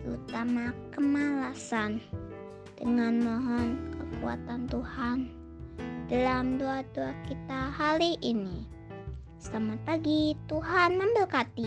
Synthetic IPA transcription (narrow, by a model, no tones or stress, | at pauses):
ṵt̪amakəmalasan | d̥əŋanmɔɦɔnkəkṵa̰t̪ant̪uhan | d̥alamduaduakit̪ahaliʔini | samapaɡit̪uɦanmambəlkat̪i